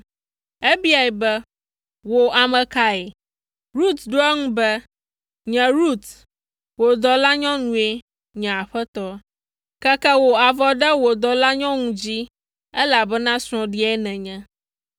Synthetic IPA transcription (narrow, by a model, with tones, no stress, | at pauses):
e˦bi˦a˨ɛ˨bɛ˦ | wo˨a˨mɛ̃˨ka˦ɛ˨ | ɾu˦t̪ɖo˦ɛ˦ŋũ˦bɛ˦ | ɲɛ̃˨ɾu˦t̪ | wo˨d̪ɔ˨la˦ɲɔ̃˦nũ˨˦e˦ | ɲɛ̃˨a˨ɸɛ˦t̪ɔ˦ | kɛ˦kɛ˦wo˨a˨vɔ˦ɖɛ˦wo˨d̪ɔ˨la˦ɲɔ̃˦ŋũ˦d͡ʑi˦ | ɛ˦la˨bɛ˦nã˦sɾ̃ɔ̃˨ɖi˦ɛ˦nɛ̃˨ɲɛ̃˦